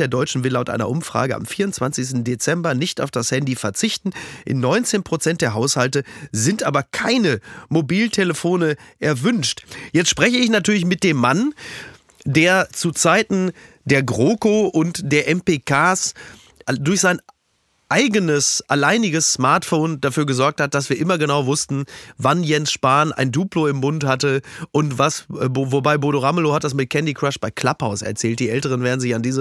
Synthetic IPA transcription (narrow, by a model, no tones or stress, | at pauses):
eːɐdɔʏt͡ʃn̩vɪlaʊtʔa̰ɪnɐ̰ʔʊmfʁ̥a̰ːɡəa̰mfiːɐʊnt͡sv̥ant͡sɪçstn̩det͡sɛmbɐnɪçta̰ʊfd̥ashɛndifɛɐt͡sɪçtn̩ʔɪ̰nːɔʏnt͡seːnpʁ̥ot͡sɛntd̥eːɐɦaʊshaltəzɪntʔaːbɐkʰaɪnəmobiːltʰeləfoːnəʔɛɐvʏnʃtjɛt͡stʃpʁ̥ɛçəɪçnatyːɐlɪç̬mɪt̚d̥eːmːan | deːɐt͡sut͡saɪtn̩ | d̥eːɐɡʁoːkoʔʊntd̥eːɐʔɛmpeːkʰaːs | ʔdʊɐçz̥aɪn | ʔaɪɡənəsʔalaɪnɪɡəsːmaɐtfoːnd̥afyːɐɡəzɔɐk̚that̚d̥asv̥iːɐʔɪmɐɡənaʊvʊstn̩vanjɛnsʃpaːnʔa̰ɪnduːploɪmːʊnthatəʔʊntv̥asbovobaɪboɾoʁaməlohat̚d̥as̬mɪt̚kʰɛndikʁ̥aʃb̥aɪkʰl̥aphaʊsɛ̰ɐt͡sɛːlt̚d̥iːʔɛltəʁ̞ənveːɐdn̩zɪçandiːzə